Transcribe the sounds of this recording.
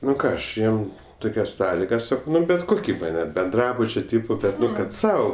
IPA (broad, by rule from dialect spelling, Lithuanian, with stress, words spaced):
ˈnʊ ˈkɑː ˈɐʃ ˈjiɛm ˈtʊkʲɛs ˈsɑːlʲɪɡɐs ˈsɑːkɐʊ ˈmɐnʲ bʲɛt ˈkʊkʲɪ ˈmɐnʲ ɐr bʲɛnˈdrɑːbʊt͡ʃʲoː ˈtʲɪpoː ˈbʲɛt ˈnʊ kɐt ˈsɐʊ